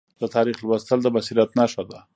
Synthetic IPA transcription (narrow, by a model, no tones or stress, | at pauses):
d̪ət̪ɑɾiχlwast̪əld̪əbasiɾat̪nɑʃad̪a